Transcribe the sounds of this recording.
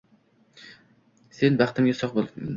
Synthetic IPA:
senbæχt̪ʰɪmɡʲɛsɒqbolˠmn

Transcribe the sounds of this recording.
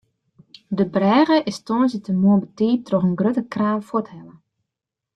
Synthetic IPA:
dəbrɛːɣəʔɪstɔːnzətəmoəbətiːtrɔxənɡrøtəkraːlfɔthɛlə

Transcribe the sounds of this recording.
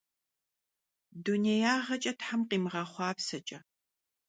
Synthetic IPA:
dunejaːʁɐt͡ʃʼɐtħamqiːmʁɐχʷɑːpsɐt͡ʃʼɐ

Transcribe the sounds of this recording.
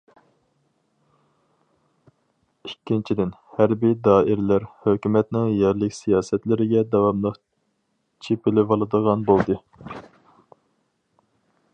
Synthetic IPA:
ikʲːint͡ʃʰid̪ɪnhæɾbijd̪ɑːʔɪɾlæɾhøkʲymɛt̪nɪŋjɛɾlɪkʲsijɑːsɛt̪lɪɾɪɡʲɛd̪ɛwɑmlˠəq | t͡ʃʰepɪlɪvɑlˠɨd̪əʁɑnbolˠd̪ɨ

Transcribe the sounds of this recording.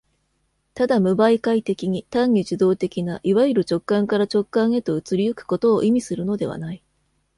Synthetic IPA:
t̪ad̪amɯ̟baikait̪e̞kʲiɲ̟it̪ãɲːʲiʑid̪o̞ːt̪e̞kʲinaʔiβaiɾɯ̟t͡ɕo̞kːãŋkaɾat͡ɕo̞kːãɰ̃e̞t̪o̞ɯ̟t͡sɨɾʲiɯ̟kɯ̟̥ko̞t̪o̞ːʔimʲisɨɾɯ̟no̞d̪e̞̰β̞a̰nai

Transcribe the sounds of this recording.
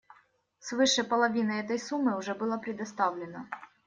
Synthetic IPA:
svɨʂɨpɐlˠɐvʲinɨɛt̪əjsumːɨʊʐɛbɨlˠəpɾʲɪd̪ɐst̪avlʲɪnə

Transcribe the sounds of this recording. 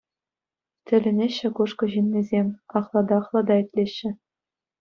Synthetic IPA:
tʲɘ̆lʲɘ̆nʲeɕːɘ̆kuʂkɤ̆ʑinʲːizʲemʲɑχlˠɑd̪ɑχlˠɑd̪ɑĭtʲlʲeɕːɘ̆

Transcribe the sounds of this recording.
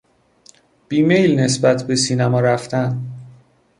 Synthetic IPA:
b̥iːme̞jlne̞sbæt̪ʰbe̞siːnæmɒːɾæft̪ʰæn

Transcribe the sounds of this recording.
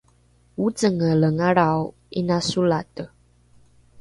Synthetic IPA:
wut͡səŋələŋaɾaw | inasulatə

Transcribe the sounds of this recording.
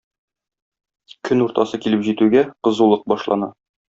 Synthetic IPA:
kʰɵnuɾt̪ɑsɤkilɘpʑit̪ʉɡæqɤ̆zulˠɤq̚bɒʃlˠɑ̰nɑ

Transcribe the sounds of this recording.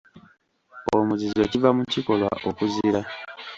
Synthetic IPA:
omuzize̞civamuciko̞lwa̰ʔokuziɾa

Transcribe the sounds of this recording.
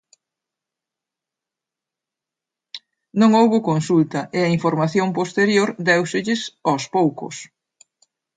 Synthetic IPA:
nõŋowɣʊkonsult̪ɐʔɪɐiɱfoɾmaθjoŋpost̪eɾjoɾd̪ɛwsɪʎɪsaspowkʊ̰s

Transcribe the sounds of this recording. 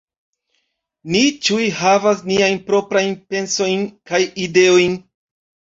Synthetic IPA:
nit͡ʃujɦavas̬niajnpɾo̞pɾajnpe̞nso̞jnkajide̞o̞jn

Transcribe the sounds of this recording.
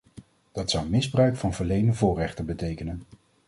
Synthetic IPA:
d̥ɑtsʌwmɪzbrœɥkfɑnvəɹlejnəvʊːrɛχtəbətejkənən

